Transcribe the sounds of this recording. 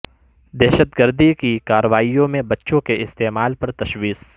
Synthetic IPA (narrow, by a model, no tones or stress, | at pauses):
d̪ɛːʃət̪ɡəɾd̪ʱikikaːɾəʋaːijõmẽbɐtːʃõkeʔɪst̪eːmaːlpɐɾt̪ɐʃwiːs